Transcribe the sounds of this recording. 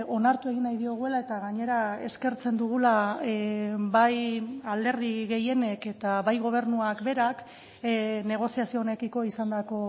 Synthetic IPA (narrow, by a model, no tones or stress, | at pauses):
o̞naɾt̪ue̞ɣ̞inajðio̞ɣ̞ue̞lae̞t̪aɣaɲe̞ɾae̞̰ske̞ɾt͡se̞nd̪uɣ̞ula | bajald̪e̞ɾðiɣe̞je̞ne̞ke̞t̪aβajɣo̞β̞e̞ɾnuakbe̞ɾak | ne̞ɣ̞o̞siasio̞ːne̞kiko̞isand̪ako̞